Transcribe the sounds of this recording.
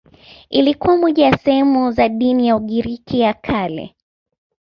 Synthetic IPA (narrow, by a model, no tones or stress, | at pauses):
ilikuwamɔʄajasɛhɛmuzaɗinijauɠiɾikʰijakʰalɛ̰